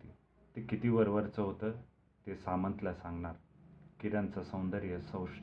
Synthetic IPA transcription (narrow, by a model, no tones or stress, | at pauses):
i | t̪ekit̪iːʋəɾʋəɾt͡səɦot̪ə | t̪esamə̃nt̪lasãŋɡɳaɾkiɾãnt͡sasəwnd̪əɾjəsə̃wʂ